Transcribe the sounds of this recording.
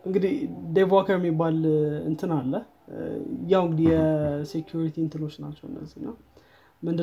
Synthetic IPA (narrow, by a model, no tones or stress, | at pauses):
ʔɨŋɡɨd̪id̪evakʰəɾmːibːalɨ̰nt̪ʰɨnalːə | jawɨŋɡɨd̪ijɛsekʰjuɾit̪ʰint̪ʰɨnot͡ʃːna̰t͡ʃːɛwɨ̰nːə̰zːihnːa | mɨnd̪ɨ